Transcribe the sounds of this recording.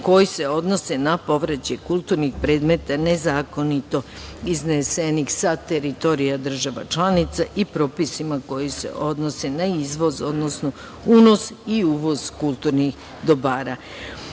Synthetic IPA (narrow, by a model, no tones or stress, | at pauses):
ko̞jise̞o̞d̪no̞se̞napo̞ʋɾet͡ɕekulˠt̪uːɾnixpɾe̞ːd̪me̞t̪ane̞zaːko̞nit̪o̞ | iznesenixsat̪e̞ɾit̪o̞ɾijad̪r̩ʒaʋa̰t͡ʃlanit̪saʔipɾo̞ːpisimako̞jisḛʔo̞d̪no̞senaizʋo̞zo̞d̪no̞sno | uno̞siuːʋo̞zkulˠt̪uɾnix | d̪obaːɾa